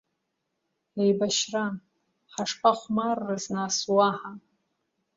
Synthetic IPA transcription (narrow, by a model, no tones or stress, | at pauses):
ejbaʃra | ħaʂpʰʼaχʷmarːɨznaswaħa